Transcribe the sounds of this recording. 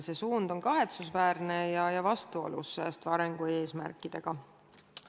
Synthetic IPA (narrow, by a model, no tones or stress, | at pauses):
se̞suːnd̪̥o̞nkɑɦe̞t̪susvæːɾne̞jɑjɑvɑst̪uo̞̰lṵsːeːst̪vɑɾeŋɡ̥ue̞ːsmæ̰rkˑːid̪̥e̞ɡ̥ɑ